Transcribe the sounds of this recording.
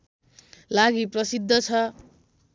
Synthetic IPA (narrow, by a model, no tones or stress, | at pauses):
laɡiprʌsid̪ʱːʌt͡sʰʌ